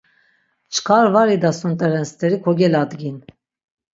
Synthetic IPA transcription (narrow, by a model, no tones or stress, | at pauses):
t͡ʃʰkʰaɾvaɾid̪asunt̪ʼɛɾɛnst̪ʰɛɾikʰɔɡʲɛlad̪ɡin